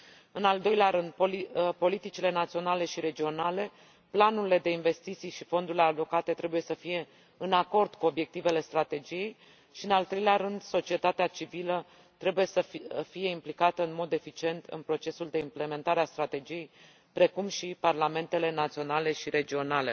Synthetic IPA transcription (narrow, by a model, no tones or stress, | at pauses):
ɨnald̪o̞jleaɾɨnd̪̚poipo̞lit̪it͡ʃile̞nat̪sio̞nale̞ʃiɾe̞d͡ʒio̞nale̞ | planuɾile̞d̪e̞inve̞st̪it̪sijʃifo̞nd̪uɾile̞alo̞kat̪e̞t̪ɾe̞buje̞səfije̞ | ɨnako̞rd̪̥kuo̞bje̞k̚t̪ive̞le̞st̪ɾat̪e̞d͡ʒije̞j | ʃiɨnalt̪ɾe̞jleaɾɨnd̪so̞t͡ʃie̞t̪at̪eat͡ʃivilə | t̪ɾe̞buje̞səfije̞implikat̪əɨnmo̞d̪e̞fit͡ʃie̞nt̪ʰɨ̰npɾo̞t͡ʃe̞suld̪e̞imple̞me̞nt̪aɾeast̪ɾat̪e̞d͡ʒije̞j | pɾe̞kumʃiparlame̞nt̪e̞le̞nat̪sio̞nale̞ʃiɾe̞d͡ʒio̞nale̞̰